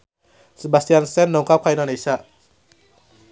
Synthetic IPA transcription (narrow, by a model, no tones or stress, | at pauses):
sebast̪ijansɛnːɔŋkap̚kʰajnanesaʔ